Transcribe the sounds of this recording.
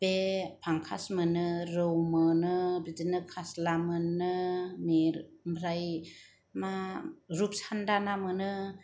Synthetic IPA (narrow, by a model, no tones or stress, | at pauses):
bepʰaŋkʰa̰smɯnɯɾɯwmɯnɯbidɯnɯkʰaslamɯnːɯmiɾmbɾaj | maɾup̚sandanamɯnɯ